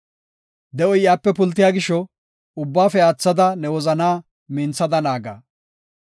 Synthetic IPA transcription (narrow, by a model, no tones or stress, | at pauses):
d̪ɛʔɔjjaːpːɛpʊlt̪ːɪjaːɡɪʃɔ | ʊbːaːfɛaːt͡sːɐd̪ɐnɛwɔzɐnaː | mɪnt͡sːɐd̪ɐnaːɡa̰ː